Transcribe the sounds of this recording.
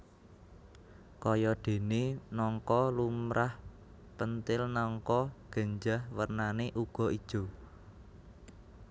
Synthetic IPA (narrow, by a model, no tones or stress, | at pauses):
kɔjɔd̪̥e̤nenɔŋkɔlumɾʔah | pənt̪ɪlnɔŋkɔɡ̥ə̤ɲd͡ʒahwərnaneʔuɡ̥ɔ̤ʔid̥ʒ̥o̤